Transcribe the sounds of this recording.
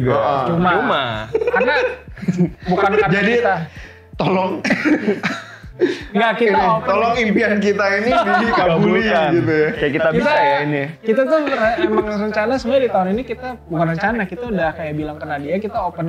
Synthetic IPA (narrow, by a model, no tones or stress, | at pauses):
t͡ʃumaumakarna | bukankand͡ʒadikit̪a | t̪olɔŋ | ŋɡaʔkit̪at̪ɔlɔŋimpiankit̪ainibikababuliaɡit̪ujakajakit̪abisajainikit̪at̪ʊəraemaŋɾəɲt͡ʃanasəmuadit̪auninikit̪abuŋanrəɲt͡ʃanakit̪audahkajaʔbilaŋkənadiakit̪aopən